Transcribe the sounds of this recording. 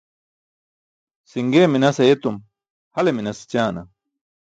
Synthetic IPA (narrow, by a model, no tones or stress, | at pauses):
siŋɡeːminɐsɐjet̪um | hɐleminɐst͡ɕaːnɐ̰